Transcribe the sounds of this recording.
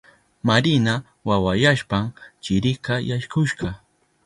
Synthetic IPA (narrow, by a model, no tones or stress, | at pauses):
maɾɪna | wawajaʃpamt͡ʃɪɾɪkajaʃkʊʃɢɑ